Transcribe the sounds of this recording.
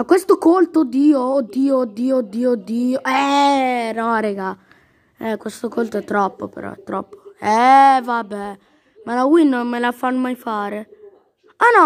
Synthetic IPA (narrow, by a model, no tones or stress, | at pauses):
makːwest̪okolt̪ood̪iːood̪iːod̪ːiːod̪ːiːod̪ːiːoʔɛ | nɔɾɛɡa | ɛkwest̪okolt̪oɛt̪ːɾɔpːopḛɾɔ̰ɛt̪ːɾɔ̰pːo̥ɛvabɛ | malawinːonmelafanːomajfaːɾe | anɔ